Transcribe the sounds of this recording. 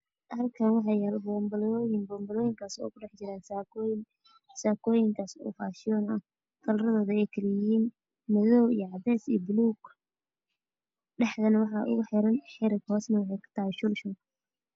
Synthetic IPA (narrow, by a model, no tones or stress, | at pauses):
hɐlkʰɐnwɑħɑjalbɔːmbɐlɔjɪŋbɔːmbɐlɔːjɪŋkʰaːsɔ̰ːkʰʊɖɛħt͡ʃɪɾaːn | saːkʰɔːjɪŋkʰaːsɔ̰ːfaːʃɪjɔnɐ | kʰɐlɾɐðɔːðʊɛjkʰɐlɪjjiːn | mɐðɔwijɞʕɑdɛːsḭːbʊluːɡ | ɖɛħd̪ɐnɐwɑħɑːʔʊ̰ɣʊħɪɾɐnħɛɾɐɡhɔːsnɐwɑħɑjkʰʊ̥t̪ʰɐhɪʃʊlʃʊŋ